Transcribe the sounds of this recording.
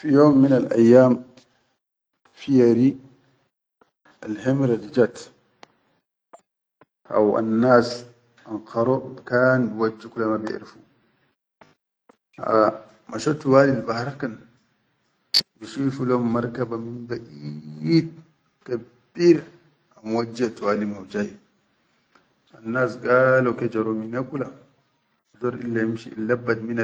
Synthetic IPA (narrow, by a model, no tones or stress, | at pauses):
fijoːmːinalʔa̰jːaːm | fijaɾi | alhemɾadid͡ʒat̪ | ʔa̰wa̰nːaːs | ʔanqʰɑɾɔbkaːnbiwad͡ʒːikulamabɪ̰ʕɾifu | a̰ | maʃɔtuwaːlilbahaɾkan | biʃifulɔmmaɾkabaminbaʔit̪̚ | ka | biɾ | amwad͡ʒːiatwaːlimawd͡ʒaji | anːaːsɡalɔkɛd͡ʒaɾɔminakula | dɔɾʔḭlːajimʃḭḭlːabːat̪mina